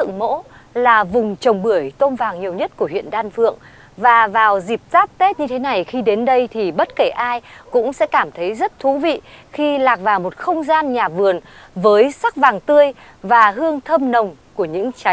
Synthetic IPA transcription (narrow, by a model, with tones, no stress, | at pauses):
ɨ̰˧˨ŋmo̰˧˥laː˨˩vʊ˨˩ŋ͡mt͡ɕə˨˩wŋ͡mɓɨ˧˩əjt̪o˧nvaː˨˩ŋɲi˨˩əwɲə˦˥t̚ku˧˩əɦwḭ˧˨ənɗaː˧nfɨ̰˧˨əŋ | vaː˨˩vaː˨˩wzi˨˩p̚zaː˦˥p̚t̪e˦˥t̚ɲɨ˧t̪ʰe˨˦na˨˩jxi˧ɗe˨˦nɗə˧jt̪ʰi˨˩ɓə˦˥t̚ke˧˩ʔaː˧jkʊ̰˧˥ŋ͡msɛ̰˧˥kaː˧˩mt̪ʰə˨˦jzə˦˥t̚t̪ʰu˨˦vḭ˧˨xi˧laː˨˩k̚vaː˨˩wmo˨˩t̚xə˧wŋ͡mzaː˧nɲaː˨˩vɨ˨˩ən | vəː˨˦jsa˦˥k̚vaː˨˩ŋt̪ɨ˧əj | vaː˨˩ɦɨ˧əŋt̪ʰə˧mnə˨˩wŋ͡mku˧˩əɲɨ̰˧˥ŋt͡ɕa˨˦